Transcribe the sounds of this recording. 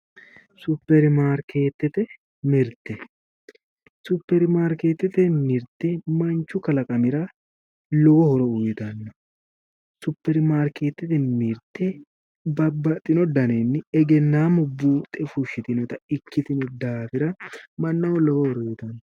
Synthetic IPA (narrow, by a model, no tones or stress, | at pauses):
sʊpːɛɾmaːɾkʰe̞ːt̪ːɛt̪ɛ | mɪɾt̪ːɛ | sʊpːɛɾmaːɾkeːt̪ːɛt̪ɛmiɾt̪ːɛmɐnt͡ʃːʊkɐlɐkʼɐmɪɾɐ | lɔwɔhɔɾɔʊjɪt̪ɐnːɔ | sʊpːɛɾmaːɾke̞ːt̪ːɛt̪ɛmiɾt̪ːɛ | bɐbːɐt̪ʼːɪnɔd̪ɐnenːɪɛɡɛnːaːmʊbːuːt̪ʼɛfuʃɪt̪ɪnɔt̪ɐɪkːɪt̪ɪnɔd̪aːfɪɾɐmɐnːɐwɔlɔwɔhɔɾɔɪt̪ɐnːɔ